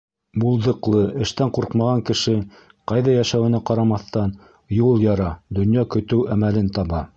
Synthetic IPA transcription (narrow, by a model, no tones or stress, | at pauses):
bulˠðɤ̆qlˠɤʔɘ̆ʃt̪æɴquɾqmɑʁɑŋkɘ̆ʃɘ | qɑjðɑjæʃæwɘ̆næqɑɾɑmɑθt̪ɑn | julˠjɑɾɑd̪ɵ̆njɑkɵ̆t̪ɘwæmælɘnt̪ɑβɑ